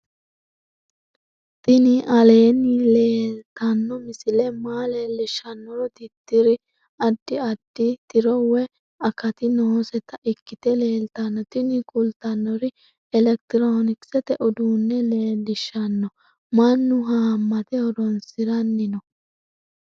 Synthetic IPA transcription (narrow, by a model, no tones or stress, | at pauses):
t̪ɪnɪʔɐle̞ːnːɪle̞ːlt̪ɐnːɔmɪsɪlɛmaːleːlːɪʃɐnːɔɾɔd̪ɪt̪ːɪɾɪ | ɐd̪ːɪɐd̪̥ːɪt̪ɪɾɔwɛ | ɐkɐt̪ɪnoːsɛt̪ɐʔɪkːɪt̪ɛle̞ːlt̪ɐnːɔt̪ɪnɪkʼʊlt̪ɐnːɔɾɪ | ɛlɛk̚t̪ɪɾoːnɪksɛt̪ɛʔʊd̪uːnːɛle̞ːlːɪʃːɐnːɔ | mɐnːʊɦaːmːɐt̪ɛɔɾɔnsɪɾɐnːɪnɔ